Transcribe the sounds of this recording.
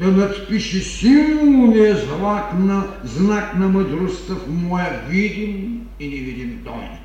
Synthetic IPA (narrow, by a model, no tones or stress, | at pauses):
t̪ɐnɐt̪piʃisiwunɛzlaknɐznaknɐmɐd̪ɾust̪ɐfmuɛvid̪im | inivid̪imt̪ɔ̰n